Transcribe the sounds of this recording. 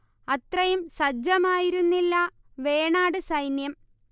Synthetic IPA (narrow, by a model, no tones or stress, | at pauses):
ɐt̪rɐjumsɐd͡ʑɐmaːjiɾunːilːɐ | ʋe̞ːɳaːɽɨsɐjnjɐm